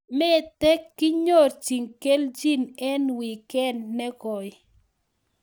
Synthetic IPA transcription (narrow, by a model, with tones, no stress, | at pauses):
mɛ˦tɛ˦kːɪ˦ɲo˦˨ɾt͡ʃi˨ŋke˦ld͡ʒi˦nɛ˦nwi˨kɛ˦nːɛ˦ɡɔ˨j